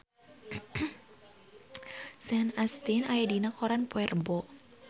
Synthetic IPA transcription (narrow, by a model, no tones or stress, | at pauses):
sɛnast̪inajadinakɔɾanpoɛrbɔ